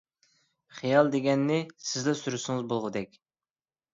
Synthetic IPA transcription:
χijɑlˠd̪eɡʲɛnːɪsɪzlɛsyɾysɪŋɨzbolˠʁəd̪ɛkʲ

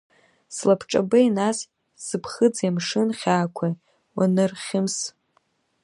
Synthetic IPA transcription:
slapʰʈ͡ʂʼabɨinas | sɨpʰχɨd͡zjamʂɨnχʲaːkʷʰa | wa̰nɨrχʲɪms

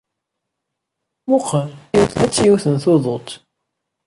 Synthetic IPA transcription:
mʊqːjuθæt͡sːjuθənθoðˤot̪

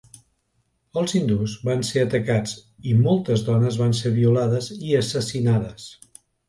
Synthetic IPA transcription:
əlˠzind̪uzβanseət̪əkad͡zimɔlˠt̪əzðɔnəzβanseβiulaðəziəsəsinaðəs

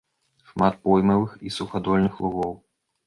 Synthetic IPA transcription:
ʂmat̪̚pɔjmɐvɨxisuxad̪ɔlʲnɨxlˠuɣɔw

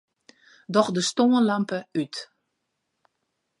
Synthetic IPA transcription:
dɔxdəstoːənlampəyt

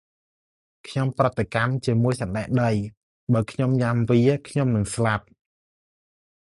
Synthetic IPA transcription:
kʰɲomprət̪ːekamt͡ɕiəmuəjsɑnɗaɛʔɗəj | ɓaːkʰɲomɲamʋiəkʰɲomnɨŋslap̚

